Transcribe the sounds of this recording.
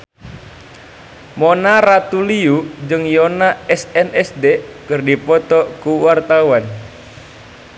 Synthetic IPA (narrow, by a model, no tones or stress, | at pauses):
mɔnaɾat̪uliud͡ʒɨŋjɔnaɛsɛnɛsdekɨrdipɔt̪ɔkuwart̪auwan